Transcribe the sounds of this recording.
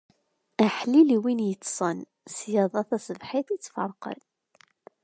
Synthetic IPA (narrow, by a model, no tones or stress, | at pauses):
æħliliwinjət͡sːsˤən | sjɑðˤɑθæsəvħiθit͡sːfɑ̰ɾˤqə̰l